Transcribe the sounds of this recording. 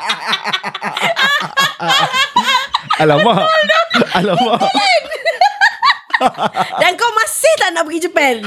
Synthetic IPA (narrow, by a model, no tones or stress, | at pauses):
alama | alama | dankawmãsɪht̪aʔnaʔbəɡid͡ʒəpɛn